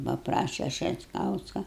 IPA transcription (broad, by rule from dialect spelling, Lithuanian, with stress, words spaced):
pɐˈprɑːʃʲɛ ʃʲɛtˈkɐʊskɐ